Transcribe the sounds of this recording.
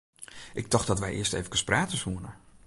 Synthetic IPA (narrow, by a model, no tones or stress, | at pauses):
ʔɪk̚dɔxtdɔtʋɛjʔɪ̰ːəstejvəkəspraːtəshuənə